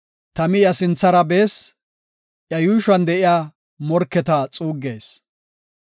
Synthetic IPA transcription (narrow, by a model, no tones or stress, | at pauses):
t̪ɐmɪjɐsɪnt͡sːɐɾɐbeːs | ʔjɐjuːʃɐnd̪ɛʔɪjaː | mɔɾkːɛt̪ɐt͡sʼuːɡːeːs